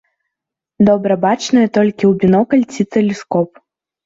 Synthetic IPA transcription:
d̪ɔbɾɐbat͡ʂnɔjɐt̪ɔlʲkʲiwbʲinɔkɐlʲt͡sʲit̪sɛlʲiskɔp

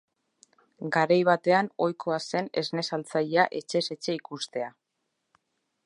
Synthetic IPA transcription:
ɡaɾajβ̞at̪e̞ano̞jkʰo̞ase̞ne̞zne̞salt͡saʎeaʔe̞t͡ʃe̞se̞t͡ʃe̞ikust̪e̞a

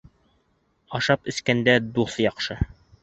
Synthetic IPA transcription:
ɑʃɑpɵ̆skænd̪æd̪uθjɑqʃɤ

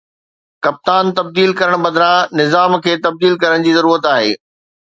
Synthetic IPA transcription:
kɐp̚t̪aːnt̪ɐb̚d̪iːlkɐɾəɽ̃bɐd̪ʱɾãnɪzaːmkʰeːt̪ɐb̚d̪iːlkɐɾəɽ̃d͡ʑiːzɐɾuːɾət̪aːɦeː

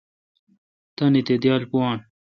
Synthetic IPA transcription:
t̪ɐnit̪ed̪jaːlpuaːn

